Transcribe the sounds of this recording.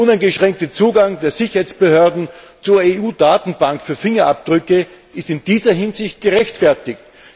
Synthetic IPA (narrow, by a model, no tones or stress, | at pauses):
ʊnaɪnɡəʃʁ̥ɛŋk̚tət͡suːɡaŋdeːɐzɪçɐhaɪt͡sb̥əhøːɐdn̩t͡suːɐeuːdaːtn̩baŋkfyːɐfɪŋɐʔap̚d̥ʁʏkə | ɪstɪndiːzɐɦɪnzɪçt̚ɡ̥əʁɛçtfɛɐtɪk̚t